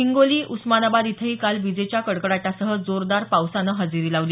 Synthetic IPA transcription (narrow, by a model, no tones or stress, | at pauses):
iŋɡoliːʔusmanabad̪it̪ʰəɦiːkalʋid͡zet͡ɕjakəɽkəɽaʈasəɦəd͡zoɾd̪aɾpawsanəɦəd͡ziɾiːlaʋliː